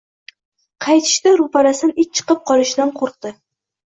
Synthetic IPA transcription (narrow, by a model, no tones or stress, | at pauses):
qʰɑjt̪ʰɪ̥ʃt̪ɪɾʊpaɾasɪnɪt͡ʃ̚t͡ʃʰɨ̥qɨp̚qʰɒlˠɪʃd̪anqʰoɾq̚t̪ɪ